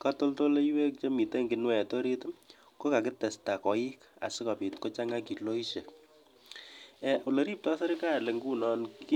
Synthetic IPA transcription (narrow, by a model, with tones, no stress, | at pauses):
ka˦to˦lto˦le˦iwe˦k̚t͡ʃo˦mi˨te˦ŋɡɪ˨nwɛ˨to˦ɾi˦t | ko˦ka˨kɪ˦tɛ˨sta˨kɔ˨i˦ka̰˨sɪ˦ka˨pi˨tko˦t͡ʃa˦ŋa˦ki˨lo˦i˦ʃe˨ | ɛu˨le˨ɾi˦p̚tɔ˦se˦ɾɪ˦ka˦jle˨ŋɡu˦nɔ˨ni